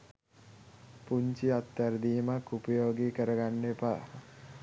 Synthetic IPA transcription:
puɲt͡ʃiat̪ːaɾəd̪iːmakːupəjoːɡikəɾəɡanːepa

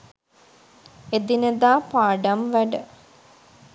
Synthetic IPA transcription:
ed̪inəd̪aːpaːɖamʋæɖə

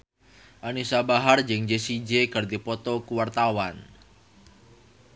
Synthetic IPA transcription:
ʔanisabaɦard͡ʒəŋd͡ʒesid͡ʒekərd̪ipɔt̪ɔkuwart̪awan

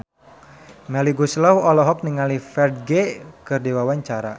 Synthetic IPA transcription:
mɛliɡuslawɔlɔɦɔk̚niŋalifɛrd̚ɡekɨrdiwawaɲt͡ʃaɾa

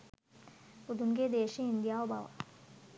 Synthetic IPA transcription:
ud̪ʱunɡed̪eːʃiind̪jaobʱaʋa̰

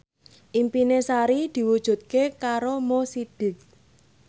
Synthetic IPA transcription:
ʔimpinesaɾid̪̥i̤wud̥ʒ̥ṳt̪̚kekaɾomosid̪̥ɪ̤k̚

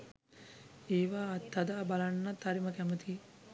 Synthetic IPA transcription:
eːʋaːt̪ːad̪aʔbalanːat̪ːaɾiməkæmət̪ʰiː

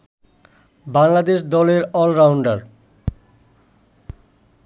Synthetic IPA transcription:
baŋlad̪eʃ̬d̪ɔleɾɔlɾawɳɖaɾ

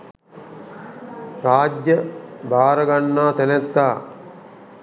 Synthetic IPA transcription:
ɾaːd͡ʒjəbaːɾəɡanːaːt̪ɛnet̪ːaː

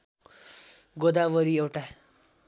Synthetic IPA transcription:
ɡod̪aʋʌɾiewʈa

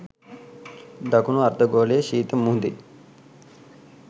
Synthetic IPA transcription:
d̪ɐkunuɐɾd̪ɐɡoːleʃiːt̪ɐmːuɦnd̪i

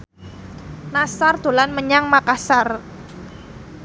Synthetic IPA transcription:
nasard̪̥o̤lanməɲaŋmakasar

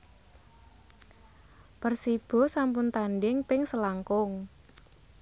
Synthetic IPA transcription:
pərsib̥ɔ̤sampʊnt̪anɖɪŋpɪŋsəlaŋkʊŋ

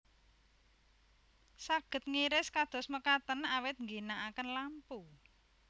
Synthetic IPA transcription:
saɡ̥ə̤t̪̚ŋiɾɪskad̪̥ɔ̤sməkat̪ənawɪt̪̚ŋɡinaʔakənlampu

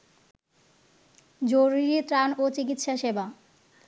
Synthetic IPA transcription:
d͡ʑoɾiɾit̪ɾanot͡ɕik̬it̪ʃaʃeba

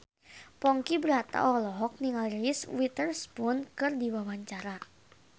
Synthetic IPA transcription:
pɔŋkibɾat̪a̰ʔɔlɔɦɔk̚niŋalɾiswit̪ərspʊnkɨrdiwawaɲt͡ʃaɾa

